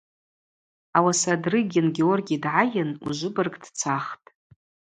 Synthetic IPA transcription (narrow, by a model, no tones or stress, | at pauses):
awasadrɨɡʲɪnɡʲeorɡʲijadʕajɪnṵʒʷɨbɨrɡʼd̥t͡sʰaχtʼ